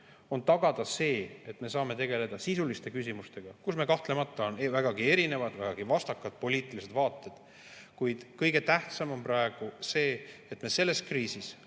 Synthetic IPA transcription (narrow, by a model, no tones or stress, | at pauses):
o̞nt̪ɑɡɑd̪̥ɑse̞ːet̪ːˑme̞sɑːme̞t̪e̞ɡe̞le̞d̪̥ɑsisulist̪e̞kys̬ʲimust̪e̞ɡ̥ɑkusme̞kɑht̪le̞mɑt̪ˑːɑonvæɡ̥ɑɡie̞ɾine̞vɑd̪væɡ̥ɑɡ̥ivɑst̪ɑkːˑɑd̪̥̚po̞liːt̪ˑilise̞d̪̥vɑːt̪ˑːed̪̥ | kujd̪̥kɤjɡe̞t̪æht̪sɑmo̞mprɑe̞ɡ̥use̞ːet̪me̞se̞lːe̞skriːsis